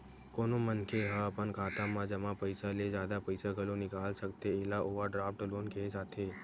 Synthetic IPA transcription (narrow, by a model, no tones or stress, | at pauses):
koːnomənkʰeɦəpənkʰaːt̪ãmãd͡ʒəmãpəɪsaled͡ʒjaːd̪apəɪsaɡʱəlonɪkaːlsəkt̪eeːlaʔoːʋaɖɾaːpʈloːnkʰesaːt̪ʰe